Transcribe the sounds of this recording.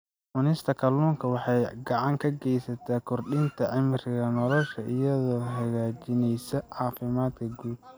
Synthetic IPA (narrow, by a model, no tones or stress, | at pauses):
mʊnɪst̪ʰɐkʰɐluːŋkʰɐwɑħɑjɡɑʕɑŋkʰɐɡɛjsɐt̪ʰaːkʰɔrɖɪnt̪ʰɐʕɪmɪrɣɐnɔlɔʃɐʔɪjɐðɔːɦɐɣaːt͡ʃɪnɛjsɐʕɑːfɪmaːd̪kʰɐɡuːd̪